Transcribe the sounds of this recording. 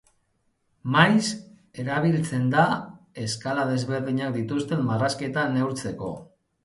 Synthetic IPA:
majs | e̞ɾaβ̞ilt͡se̞nd̪ae̞skalaðe̞zβe̞ɾðiɲak̚d̪it̪ust̪e̞mmaraske̞t̪ane̞uwɾt͡se̞ko̞̰

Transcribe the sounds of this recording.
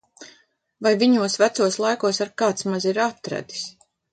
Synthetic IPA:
vajviɲuɔsvæt̪suɔslˠajkuɔsaɾkaːt̪smaziɾat̪ɾæ̰d̪i̥s

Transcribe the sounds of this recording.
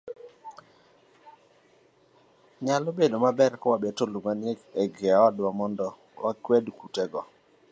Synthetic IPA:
ɲalobedomabɛɾkɔwabɛtolumanɪeeɡeaadwamɔndɔ | wakwɛdkutɛɡɔ

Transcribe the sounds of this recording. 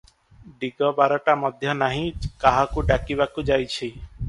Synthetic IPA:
ɖiɡɔbaɾɔʈamɔd̪ʱjɔnaɦĩkaɦakuɖakiβakud͡ʒajt͡ʃʰi

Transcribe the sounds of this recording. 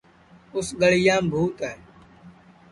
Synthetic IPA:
ʊsɠəɭ̤ɪjãːmbʱuːt̪ɛɛ

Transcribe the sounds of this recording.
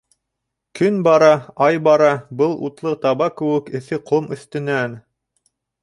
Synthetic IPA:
kɵnbɑɾɑɑjbɑɾɑbɤlˠṵt̪lˠɤt̪ɑβɑkɘ̆wɘkɘ̆θɘqʰomɵ̆θt̪ɘ̆næn

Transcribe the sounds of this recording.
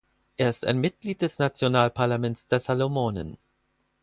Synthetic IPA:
ʔeːɐɪsta̰ɪnmɪt̚ɡ̥liːt̚d̥ɛsnat͡sjonaːlpʰaɐlamɛntt͡sd̥eːɐzalomoːnə̰n

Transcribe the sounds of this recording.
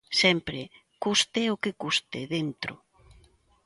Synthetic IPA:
sɛmpɾɪ | kust̪ɪʊkekust̪ɪðent̪ɾʊ̰

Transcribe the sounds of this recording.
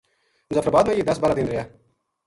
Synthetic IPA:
zət̪ɾəbaːd̪mẽːjiːd̪əsbaːɾaːd̪ɪːnɾɪjaː

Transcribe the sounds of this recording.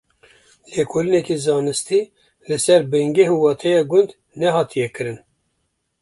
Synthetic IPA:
leːkʰoːlɨnɛkizɑːnɨst̪iː | lɨsɛɾbɛŋɡɛɦuwɑːt̪ʰɛjɑɡʊnd̪ | nɛɦɑːt̪ʰijɛkɨɾɨn

